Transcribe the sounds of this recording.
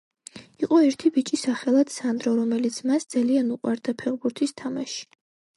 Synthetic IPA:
iqʼɔɛɾt̪ʰibit͡ʃʼisaχɛlˠad̪̥sand̪ɾɔɾɔmɛlit̪sʰmasd̪z̥alianuqʼwaɾd̪apʰɛʁbuɾt̪ʰist̪ʰamaʃi̥

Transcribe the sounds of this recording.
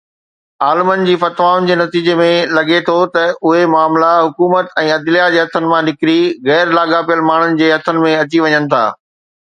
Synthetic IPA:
aːlɪmənɪ̆d͡ʑiːfɐt̪ʋaːʊnɪ̆d͡ʑeːnɐt̪iːd͡ʑemẽlɐɡet̪ʰot̪ɐʊɦemaːmlaɦʊkuːmət̪ɛ̃ːɐd̪lijad͡ʑeːɦɐt̪ʰənɪ̆mãnɪkɪɾiɣɛːɾlaːɡapijəlmaːɳ̤ʊnɪ̆d͡ʑeːɦɐt̪ʰənɪ̆mẽɐt͡ɕiʋɐɲənɪ̆t̪ʰa̰ː

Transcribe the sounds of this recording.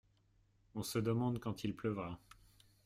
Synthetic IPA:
ɔ̃səd̪əmɑ̃d̪kɑ̃t̪ʰilplœvʁa

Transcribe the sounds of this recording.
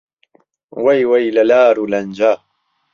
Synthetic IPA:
wajwajlalaːɾuland͡ʒaː

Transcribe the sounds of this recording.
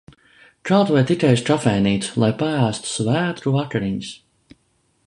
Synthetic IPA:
t͡ʃalˠt̪vɛjt̪ik̪ɛjst̪ɾafɛjniːt̪slˠajpaæːst̪u̥svæːt̪ɾuakaɾiɲis

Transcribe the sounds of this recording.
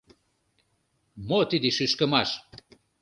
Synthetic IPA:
mot̪id̪iʃyʃkə̆mɑʃ

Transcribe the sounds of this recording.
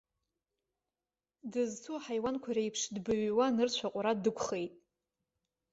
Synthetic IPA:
dɨzt͡sʰuaħajwankʷʰaɾejpʰʂdbɨɥwanɨrt͡ɕʷʰaqʷʼɾadɨkʷʰʼχe̞jtʼ

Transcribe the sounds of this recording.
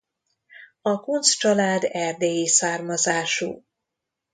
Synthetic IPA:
ɒkunst͡ʃɒlaːd̪ɛrd̪eːjiːsaːrmɒzaːʃṵː

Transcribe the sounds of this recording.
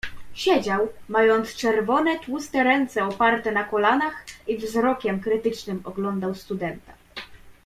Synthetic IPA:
ɕɛd͡ʑawmajɔnt̪st͡ʂɛɾvɔnɛt̪wust̪ɛɾɛnt̪sɛɔpaɾt̪ɛnakɔlanaxivzɾɔkʲɛmkɾɘt̪ɘt͡ʂnɘmɔɡlɔnd̪awst̪ud̪ɛnt̪a

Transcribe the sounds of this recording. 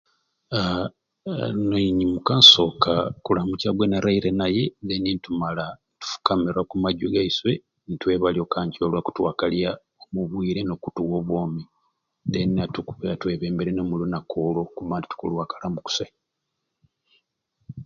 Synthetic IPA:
a | noɲimukaːnso̞ːkakulamucaɡwenaɾaiɾenaje̞zenintumalanitu̥fu̥kamiɾwakumaɟuɡaiswe̞ | nitwe̞ːβalio̞kaːɲcolwaku̥twaːkalja | omuβwiːɾe̞nokutuwo̞ːβwoːmi | denatukuβeatweβeːmbeɾenomulunakolo̞kuβaːnti̥tu̥kṵlwaːkalaːmbuku̥se

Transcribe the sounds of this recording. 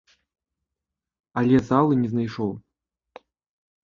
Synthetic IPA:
alʲɛzalˠɨnʲɛznajʂɔw

